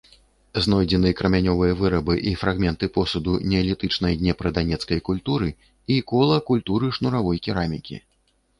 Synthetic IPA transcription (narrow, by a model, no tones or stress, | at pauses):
znɔjd͡zʲɛnɨjɐkɾɐmʲanʲɔvɨjɐvɨɾɐbɨʔifɾaɣmʲɛnt̪ɨpɔsud̪unʲɛɛlʲit̪ɨt͡ʂnɐjd̪ʲnʲɛpɾɐd̪anʲɛt̪skɐjkulʲt̪uɾɨ | ikɔlˠɐkulʲt̪uɾɨʂnuɾavɔjkʲiɾamʲikʲḭ